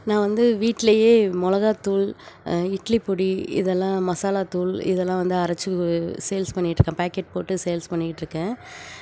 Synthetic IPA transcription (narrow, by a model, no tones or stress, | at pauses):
nãːʋɐnd̪ɯʋiːʈːlɐjeːmʊlɐɣaːt̪uːlɪʈlipʊɽiɪ̰ðɛlːãːmɐsaːlaːt̪uːlɪ̰ðɛlːãːʋɐnd̪ɯɐɾɐt͡ʃːɯsɛjlspɐɳːɪɪʈːɾɯkːẽːpaːkeʈ̚poːʈːɯsɛjɐlspɐɳːɪkɪʈːɪɾɯkːẽː